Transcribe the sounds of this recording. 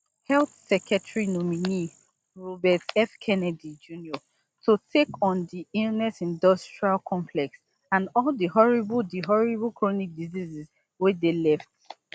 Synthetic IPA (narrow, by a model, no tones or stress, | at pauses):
hɛlθsɛkʰɛtɹinomini | ɹɔbɛtɛfkʰɛnɛdid͡ʒuniɔ | totʰekɔ̃ndiilˠnɛsĩndɔstɹialkʰɔ̃mplɛk̚ts | ãnɔldiɦɔɹibldiɦɔɹiblˠkɹonik̚diziziz | widelɛft̚